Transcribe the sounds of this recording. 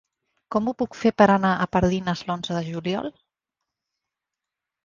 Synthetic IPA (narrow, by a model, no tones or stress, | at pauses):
kɔmupukfepəɾənaʔəpəɾðinəzlonzəðəʒuljɔ̰lˠ